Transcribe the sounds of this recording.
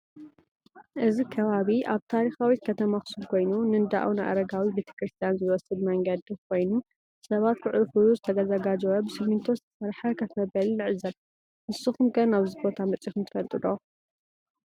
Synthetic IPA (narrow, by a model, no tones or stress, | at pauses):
ʔɨzikʰɐβaβiʔaβt̪ʰaɾixawit̪̚kʰɐt̪ʰɐmaxɨ̥subkʰo̞jnunɨnd̪a̰ʔunɨʔa̰ɾɐɡawibe̞t̪ʰɐ̥kɾɨst̪ʰijanzɨwɔsɨd̪mɐŋɡɐd̪ikʰo̞jnu | sɐβat̪̚kʰɨʕluxɨluzɨt̪ʰɐd̪ɐzɐɡad͡ʒɐwɐbɨsɨmːɨnt̪ʰozɨt̪ʰɐ̥sɐɾħɐkʰɐt̪mɐbɐlinɨʕɨzɐl | mɨsːɨxumɡɐnaβzibo̞t̪ʰamɐt͡sʼixumt̪ʰɨfɐlt̪ʼɨd̪o